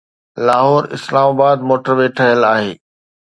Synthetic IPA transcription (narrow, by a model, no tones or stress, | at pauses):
laːɦɔːɾɪ̰slaːmaːbaːd̪moːʈəɾʋeːʈʰəɦɪəlaːɦeː